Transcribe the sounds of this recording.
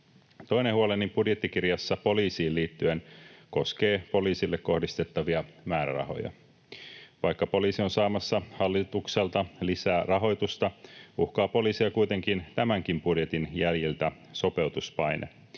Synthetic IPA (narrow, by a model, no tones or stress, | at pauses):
t̪o̞inehuo̞lenːimb̥udjet̪ːikirjɑsːɑpo̞liːsiːlliːt̪ːyenko̞ske̞ːpo̞liːsilːekko̞hdist̪e̞t̪ːɑʋiɑmæːɾæ̰rɑ̰ho̞̰jɑ̰ | ʋɑjkːɑpo̞liːsio̞nsɑːmɑsːɑhɑlːit̪ukse̞lt̪ɑlisæːrɑɦo̞jt̪ust̪ɑuhkɑːpo̞liːsiɑkujt̪e̞ŋkint̪æmæŋk̟impudje̞t̪injæljilt̪æ | so̞pe̞wt̪uspɑjnʔḛ